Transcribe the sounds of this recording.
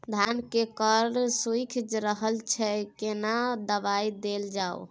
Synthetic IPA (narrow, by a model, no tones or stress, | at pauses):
d̪ʱankekəɾsukʰd͡ʒɾəɦəlt͡ʃʰɛkenad̪əbaid̪eld͡ʒao̰